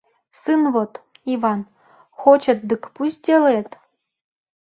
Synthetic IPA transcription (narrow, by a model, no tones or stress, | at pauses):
sɨnvot̪ | ivɑn | xot͡ɕə̆t̪̚d̪ɨkpusʲd̪ʲelet̪